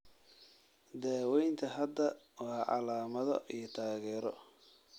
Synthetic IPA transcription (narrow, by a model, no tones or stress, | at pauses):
d̪ɛːwɛjnt̪ʰɐɦɐd̪ɐwɑːʕɑ̰laːmɐðɔ̰ʔijɞt̪ʰaːɣɛːɾɔ̰